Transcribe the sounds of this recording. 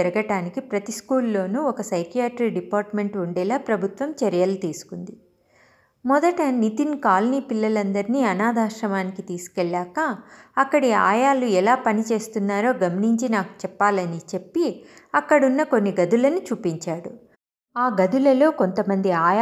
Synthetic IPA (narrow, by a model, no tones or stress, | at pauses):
ɛɾɐɡɐʈaːnikipɾɐt̪iskuːlːo̞ːnuɔkɐsɐjkijaːʈɾikɖipaːɾʈme̞ɳʈuɳɖɛːlaːpɾɐbʱut̪ʋɐmt͡ʃɐɾjɐlut̪iːsu̥kund̪i | mɔd̪ɐʈɐnit̪inkaːlniːpilːɐlɐnd̪ɐɾiniːɐnaːd̪aːʂɾɐmaːnikit̪iːsu̥kɛɭːaːkɐɐkːɐɽia̰ːjaːluɛlaːpɐnit͡ʃe̞ːst̪unːaːɾo̞ːɡɐmɐniɲt͡ʃinaːku̥t͡ʃɛpːaːlɐnit͡ʃe̞pːiɐkːɐɽunːɐkonːiɡɐd̪ulɐnut͡ʃuːpiɲt͡ʃaːɽu | aːɡɐd̪ulɐlo̞ːko̞nt̪ɐmɐnd̪iaːja